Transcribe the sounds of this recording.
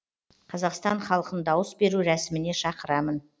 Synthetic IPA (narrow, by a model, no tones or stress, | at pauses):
qʰɑzɑqst̪ɑɴχɑlˠəqənd̪ɑwəsbe̞ɾuɾæsɪmɪne̞ʃɑqəɾɑmən